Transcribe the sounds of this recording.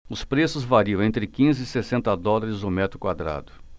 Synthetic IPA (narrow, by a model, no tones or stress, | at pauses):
ʊspɾesʊzvaɾiɐ̃ẽnt̪ɾɪkĩzɪːsesẽnt̪ɐd̪ɔlaɾɪzʊmɛt̪ɾʊkwad̪ɾa̰d̪ʊ